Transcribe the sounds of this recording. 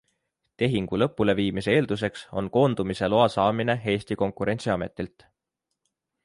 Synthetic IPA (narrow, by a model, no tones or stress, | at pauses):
t̪e̞ɦiŋɡ̥ulɤpːˑule̞viːmise̞e̞ːld̪̥us̬e̞kso̞̰nko̞ːnd̪̥umise̞lo̞ɑsɑːmine̞ɦe̞ːsʲt̪iko̞ŋkuɾe̞nʲtsiɑme̞̰t̪ˑilt̪